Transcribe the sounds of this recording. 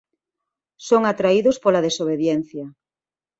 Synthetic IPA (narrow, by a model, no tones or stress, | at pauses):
soŋat̪ɾaiðospolaðesoβ̞eðjɛn̟θja